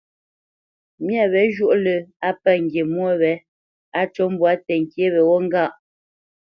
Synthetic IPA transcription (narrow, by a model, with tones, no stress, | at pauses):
mjɛ˨βɛ˨˦ʒu˦˨ʔlə˨a˦pɛ˦ŋ̩˨ɡje˨mwɔ˦βɛ˨˦ | a˦t͡ʃɔ˦m˦bwa˨˦tɛ˨ŋ˨kje˦βɛ˨wɔ˦ŋ˦ɡa˦˨ʔ